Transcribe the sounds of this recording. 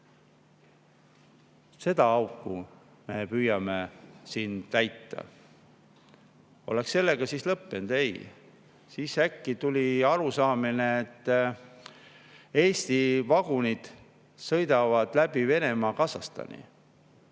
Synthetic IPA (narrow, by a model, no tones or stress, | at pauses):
se̞d̪̥ɑɑwkːˑu | me̞pyːjɑmesiːnt̪æjt̪ːˑɑ̰ | o̞̰leksːe̞lːe̞ɡ̥ɑsislɤpːend̪̥e̞j | siːsækːit̪ulʲiɑɾusɑːmineet̪ː | e̞ːst̪ivɑɡ̥unid̪̥ | sɤ̞jd̪̥ɑvɑd̪̥læb̥ive̞ne̞mɑːkɑsɑst̪ɑ̰nḭ